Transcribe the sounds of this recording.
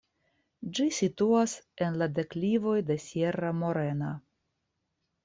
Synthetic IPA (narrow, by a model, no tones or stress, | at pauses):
d͡ʒisituase̞nlade̞klivo̞jde̞sje̞ɾamo̞ɾe̞na